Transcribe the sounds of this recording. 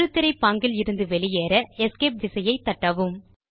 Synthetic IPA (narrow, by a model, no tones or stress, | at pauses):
ɾɯt̪ːɪɾɐɪpːaːŋɡɪlɪɾɯnd̪ɯʋɛɭɪjeːɾɐɛskeːp̚ʋɪsɐjɐɪt̪ːɐʈːɐʋɯm